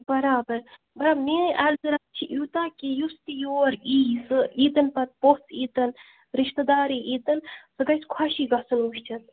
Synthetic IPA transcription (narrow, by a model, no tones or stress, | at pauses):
bɐɾaːbɐɾ | bɐɾaːbneʔɛlzɨɾɐk̪̚t͡ʃʰiʔit̪aːkijust̪ijoːɾiːsɨiːt̪ɐnpɐt̪̚pot͡siːt̪ɐn | ɾiʃt̪ɐd̪aːɾiʔiːt̪ɐnsɨɡɐjskʰaʃiːɡɐsɨnuʃt͡ʃʰɐt̪